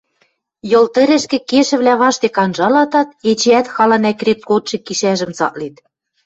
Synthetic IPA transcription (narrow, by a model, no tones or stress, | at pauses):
jŏlt̪ɘ̆ɾɘ̆ʃkĕkeʃɘ̆βlæβɑʃt̪ekɑnʒɑlɑt̪ɑt̪̚et͡ɕeæt̪xɑlɑnækret̪̚kot̪ʃĕkːiʃæʒɘ̆msɑ̰ʔlit̪